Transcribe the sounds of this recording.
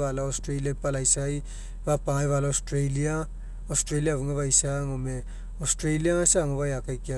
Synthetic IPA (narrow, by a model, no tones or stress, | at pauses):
βalaostɾejliapalajsaj | βapaŋajβalaostɾejlia | ostɾeliaβuŋeβajsaŋome | ostɾejliaasaŋoβajakajkia